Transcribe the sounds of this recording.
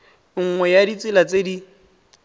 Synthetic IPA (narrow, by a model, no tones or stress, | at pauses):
ŋ̩ŋwɛjadit͡sʼɪlat͡sedi